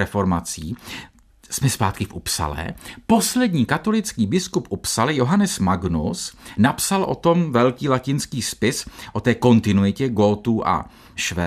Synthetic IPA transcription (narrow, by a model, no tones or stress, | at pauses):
ɛfo̞ɾmat͡siː | smɛspaːt̪̚kɪfʔupsa̰lɛ̰ːpo̞slɛdɲiːkat̪o̞lɪt͡skiːbɪskupʔupsalɪjoɦanɛsmaɡnusnapsalʔo̞̰t̪o̞mvɛlkiːlacɪnskiːspɪsʔo̞t̪ɛːko̞nt̪ɪnuɪcɛɡo̞lt̪uːʔa̰ | ʃvɛ